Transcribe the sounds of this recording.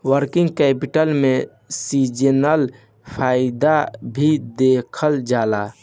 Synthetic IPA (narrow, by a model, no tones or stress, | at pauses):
wəɾkiŋɡkɛpiʈəlme | sid͡ʒənəl | pʰajid̪abʱid̪ekʰəld͡ʒala